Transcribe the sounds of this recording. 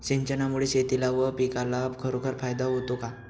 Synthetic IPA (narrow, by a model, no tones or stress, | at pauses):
ɕiɲt͡ɕənamuɭeɕet̪ilaʋəpikalabkʰəɾokʰəɾfajd̪aɦot̪oka